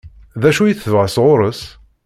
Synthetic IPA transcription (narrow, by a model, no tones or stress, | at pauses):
ðæʃujiθəvʁəsʁʊɾˤəs